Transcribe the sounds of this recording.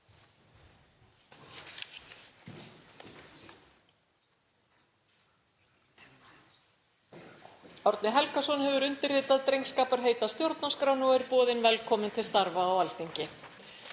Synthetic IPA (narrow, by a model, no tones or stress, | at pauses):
ɔwɾt̪nɪɦɛlkasɔnhɛvʏɾʏnt̪ɪrːɪːt̪aðt̪ɾejŋskaːpaɾ̥ɦeːjt̪ast̪jowɾt̪naskɾawnʏɔɛɾpɔːðɪnvɛlkʰɔːmɪnt̪ʰɪlst̪aɾvaːwalt̪iɲcɪ